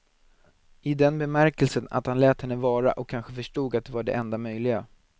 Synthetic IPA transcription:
ɪd̪ɛnbɛmæɾkɛlsəna̰t̪hanlɛːt̪hɛnːəvɑːɾa̰ʔɔkʰːanɧəfœʂʈuːɡat̪̚d̪ɛvaɖɛ̰ɛnd̪amœjlɪɡa

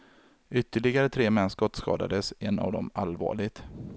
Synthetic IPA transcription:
ʏt̪ːəɭɪɡaɾət̪ʰɾeːmɛnskɔt̪ːskɑ̰ːd̪a̰d̪əsɛnːa̰vd̪ɔ̰malvɑ̰ːɭɪɡt̪

